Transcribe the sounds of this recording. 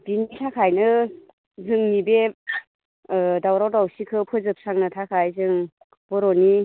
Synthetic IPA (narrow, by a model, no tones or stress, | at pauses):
b̥initʰakʰajnɯ | zɯŋnibe | dawɾawdawsikʰɯpʰɯzɯp̚saŋnɯtʰakʰajzɯŋ | b̥ɔɾɔni